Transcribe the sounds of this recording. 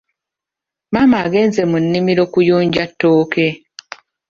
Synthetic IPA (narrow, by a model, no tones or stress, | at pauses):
maːmaːɡe̞ːnze̞munːimiɾo̞kujuːɲɟatːo̞ːke̞